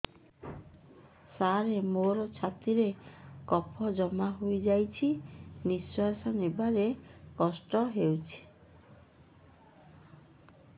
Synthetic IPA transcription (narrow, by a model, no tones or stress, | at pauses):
saɾemoɾɔt͡ʃʰat̪iɾekɔpʰɔd͡ʒɔmaɦojd͡ʒajt͡ʃʰinisasɔnebʱaɾekɔsʈɔɦewt͡ʃʰi̥